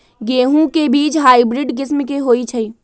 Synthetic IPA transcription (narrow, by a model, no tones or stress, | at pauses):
ɡeːɦũkebiːt͡ʃɦaːibɾɪɖɡɪsmkeɦoːit͡ʃʰəi